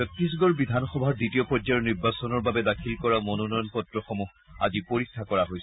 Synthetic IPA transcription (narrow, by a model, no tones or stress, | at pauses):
ɔtɹis̬ɡɔɹbidʱanxɔbʱaditiɔpɔd͡ʒaɔniɹbasɔnɔɹbabɛdakʰilkɔɹamɔnɔnɔjɔnpɔtɹɔxɔmux | a̰zipoɹikʰːakɔɹaɦojs